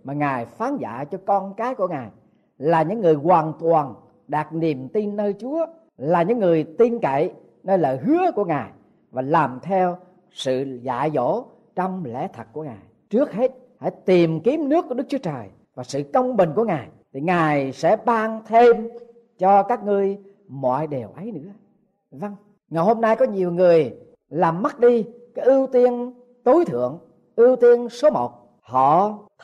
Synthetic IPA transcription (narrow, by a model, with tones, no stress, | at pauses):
maː˨˩ŋaː˨˩jfaː˨˦nza̰ː˧˨t͡ɕɔ˧kɔ˧nkaː˨˦jku˧˩əŋaː˨˩j | laː˨˩ɲɨ̰˧˥ŋːɨ˨˩əjkwaː˨˩nt̪waː˨˩n | ɗaː˨˩k̚ni˨˩əmt̪i˧nːəː˧jt͡ɕu˨˦ə | laː˨˩ɲɨ̰˧˥ŋːɨ˨˩əjt̪i˧nkə̰˧˨j | nəː˧ləː˧˨hɨ˨˦əku˧˩əŋaː˨˩j | vaː˨˩laː˨˩mt̪ʰɛ˧w | sɨ̰˧˨za̰ː˧˨zo̰˧˥ | t͡ɕɔ˧wŋ͡mlɛ̰˧˥t̪ʰə˨˩t̚ku˧˩əŋaː˨˩j | t͡ɕɨ˦˥ək̚he˦˥t̚ | ha̰ː˧˩jt̪i˨˩mki˨˦əmnɨ˦˥kːu˧˩ə˦˥k̚t͡ɕu˦ə˦t͡ɕəː˨˩j | vaː˨˩sɨ̰˧˨kə˧wŋ͡mɓï˨˩ŋ̟ku˧˩əŋaː˨˩jt̪ʰi˨˩ŋaː˨˩jsɛ̰˧˥ɓaː˧ŋt̪ʰe˧m | t͡ɕɔ˧kaː˦˥k̚ŋɨ˧əj | mɔ̰˧˨jɗe˨˩əwʔə˨˦jnɨ̰˧˥ə | va˧ŋ | ŋaː˨˩jho˧mnaː˧jkɔ˨˦ɲi˨˩əwŋɨ˨˩əj | laː˨˩mːa˦˥t̚ɗi˧kaː˨˦jʔɨ˧wt̪i˧ən | t̪o˨˦jt̪ʰɨ̰˧˨əŋ | ʔɨ˧wt̪i˧ənso˨˦mo˨˩t̚ | hɔ̰˧˨